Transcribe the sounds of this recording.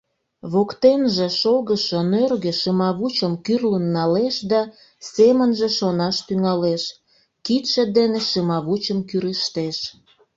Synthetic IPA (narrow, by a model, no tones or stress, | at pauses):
βokt̪enʒeʃolɣəʃonørɣĕʃəmɑβut͡ɕəmkyrlənːɑleʃd̪ɑ | semənʒe̽ʃonɑʃt̪yŋɑleʃ | kit̪ʃĕd̪eneʃəmɑβut͡ɕəmkyɾəʃt̪eʃ